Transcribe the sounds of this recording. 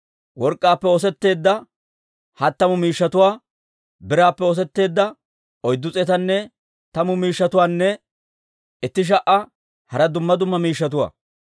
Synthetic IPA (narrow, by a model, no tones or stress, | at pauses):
wɔɾkʼːaːpːɛɔs̬ɛt̪ːe̞ːd̪ːɐ | hɐt̪ːɐmʊmiːʃːɐt̪ʊwaː | bɪɾaːpːɛos̬ɛt̪ːe̞ːd̪ːɐ | ɔjd̪ːʊt͡sʼɛt̪ɐnːɛ | t̪ɐmʊmiːʃːɐt̪ʊwaːnːɛ | ʔɪt̪ːɪʃ̬ɐʔɐ | hɐɾɐd̪ʊmːɐd̪ʊmːɐmiːʃːɐt̪̬ʊwa̰ː